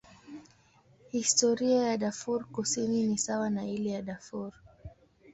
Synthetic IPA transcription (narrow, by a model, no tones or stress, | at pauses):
histɔɾiajaɗafuɾkusininisawanailɛjaɗafuɾ